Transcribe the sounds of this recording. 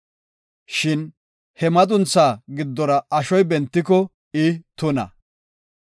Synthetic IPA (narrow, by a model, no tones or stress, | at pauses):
ʃɪn | hɛmɐt̪ʼʊnt͡sːaːɡɪd̪ːɔɾɐʔɐʃɔjbɛnt̪ːɪkɔ | ɪt̪ʊnɐ̰